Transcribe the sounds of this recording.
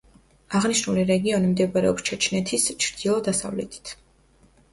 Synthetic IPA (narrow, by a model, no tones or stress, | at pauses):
aʁniʃnuliɾɛɡiɔnimd̪ɛbaɾɛ̰ɔ̰pst͡ʃʰɛt͡ʃʰnɛt̪ʰist͡ʃʰɾd̪̥ilˠɔd̪asa̰vlɛ̰t̪ʰi̥t̪ʰ